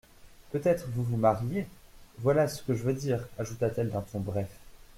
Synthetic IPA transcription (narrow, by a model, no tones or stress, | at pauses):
pøt̪ɛt̪χəvuvumaʁjevwalasə̥kəʒəvød̪iːʁaʒut̪at̪ɛld̪ɛ̃t̪ɔ̃bʁɛf